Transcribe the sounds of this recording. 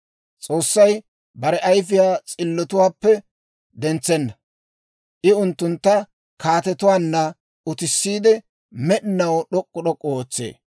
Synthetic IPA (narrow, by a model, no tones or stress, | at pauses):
t͡sʼo̞ːsːɐj | bɐɾɛʔɐjfɪjaːt͡sʼɪlːɔt̪ʊwaːpːɛ | d̪ɛnt͡sːɛnːɐ | ʔɪʊnt̪ːʊnt̪ːɐ | kaːt̪ɛt̪ʊwaːnːɐ | ʊt̪ɪsːiːd̪ɛ | mɛɗɪnɐwɗɔkʼːɔɗɔkʼːɔoːt͡sːḛː